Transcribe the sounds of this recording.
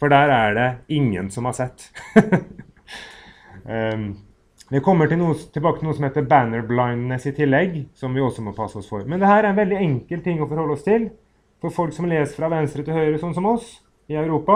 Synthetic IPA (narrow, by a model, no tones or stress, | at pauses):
fɔɖæːɾæɖɛɪŋːə̰nsɔmhɑʂɛt̪ː | d̪ɛkʰɔmːəʈɪlnuːət̪ʰɪlbɑːkət̪ɪluːəsɔmheːt̪əbænəɾblaɪnnɛsɪt̪ʰɪlːɛɡsɔmʋɪɔsːɔmɔpʰɑsːəɔsfɔɾmɛnd̪ɛhæːɾæɾɛnʋɛld̪ɪɛŋkəlt̪ːɪŋːɔfɔɾhɔlːəɔst̪ʰɪl | fɔɾfɔlksɔmleːsəfɾɑʋɛnst̪ɾət̪ɪlhœʏɾəsɔnːsɔmɔs | ɪœʉɾuːpɑ